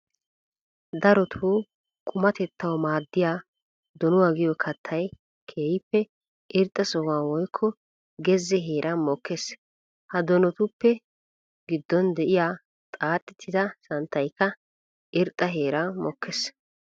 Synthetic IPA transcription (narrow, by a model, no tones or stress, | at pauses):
d̪ɐɾɔt̪ʰu | kʼʊmɐt̪ɛt̪ːɐwmaːd̪ːɪjaː | d̪ɔnʊwaɡɪjɔkʰɐt̪ʰːɐj | kʰeːjɪpːɛ | ʔɪɾt̪ʼːɐsɔwaːwɔjkʰːɔ | ɡɛzːɛɦe̞ːɾʔɐmɔkːes | hɐd̪ɔnɔt̪ʊpːɛ | ɡɪd̪ːɔnd̪ɛʔɪjaː | t̪ʼaːt̪ʼːɪt̪ʰːɪd̪ɐsɐnt̪ʰːɐjkːɐ | ʔɪɾt̪ʼːɐɦe̞ːɾɐmɔkʰːɛs